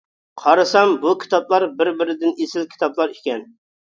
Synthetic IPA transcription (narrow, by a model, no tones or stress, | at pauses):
qʰɑɾɨsɑmbukʲʰi̥t̪ʰɑplˠɑɾbɪɾbɪɾɪd̪ɪnesɪlkʲʰi̥t̪ʰɑblˠɑɾekʲɛn